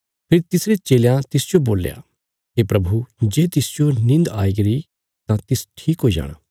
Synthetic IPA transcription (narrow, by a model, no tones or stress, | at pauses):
pʰɪɾt̪ɪsɾet͡ʃeːljãt̪ɪsd͡ʒoboːlja̰ | ɦepɾɐbʱud͡ʒeːt̪ɪsd͡ʒonɪ̃nd̪aːiɡɐɾi | t̪ãt̪ɪsʈʰiːkɦoid͡ʒa̰ːɽ̃a̰ː